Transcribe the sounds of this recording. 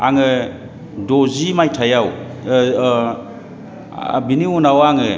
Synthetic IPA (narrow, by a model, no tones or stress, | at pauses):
aŋɯ | dɔzimajtʰajaw | biniunawaŋɯ